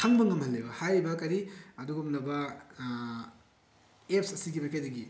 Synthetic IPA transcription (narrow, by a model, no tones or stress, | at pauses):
tʰaŋbɐŋɐmhɐlːebɐhajbɐkɐɾiɐduɡumnɐbɐ | ep̚sɐsiɡimɐkʰajdɐɡi